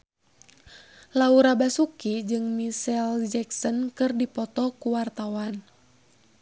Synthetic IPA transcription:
lauɾabasukid͡ʒɨŋmisɛld͡ʒɛksɔnkɨrdipɔt̪ɔkuwart̪awan

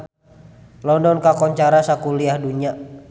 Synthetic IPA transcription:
lɔndɔnkakɔɲt͡ʃaɾasakuliahduɲa

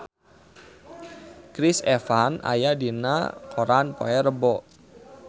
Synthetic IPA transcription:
kɾɪsɛfana̰jadina̰kʰoɾanpo̰ɛɾəbɔ

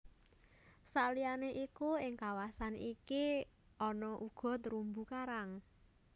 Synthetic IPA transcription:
salianeʔikuɪŋkawasaniki | ɔnɔʔuɡ̥ɔ̤t̪ɾumbukaɾaŋ

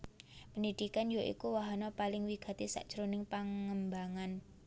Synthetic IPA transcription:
pənid̪̥ikanjoʔḭkuwaɦanɔpalɪŋwiɡ̥a̤t̪isa̰ʔd̥ʒ̥ɾonɪŋpaŋəmbaŋan

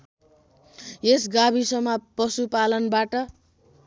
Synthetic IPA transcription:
esɡabisʌmʌpʌsupalʌnbaʈʌ

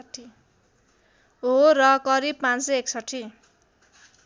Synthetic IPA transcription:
ʈʰːi | ɦoɾʌkʌɾib̚pãnseeksʌʈʰːi

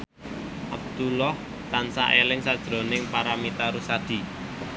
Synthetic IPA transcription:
ʔab̚d̪̥ulɔh | t̪ansa̰ʔelɪŋsad̥ʒ̥ɾo̤nɪŋpaɾamit̪aɾusad̪̥i̤

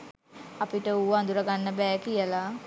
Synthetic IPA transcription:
apiʈəuːaːnd̪uɾəɡanːəbɛːkijəla

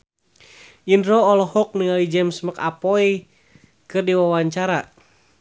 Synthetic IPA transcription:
ʔindɾɔːlɔhɔk̚niŋalid͡ʒɛmsməkapɔi | kɨrdiwawaɲt͡ʃaɾa

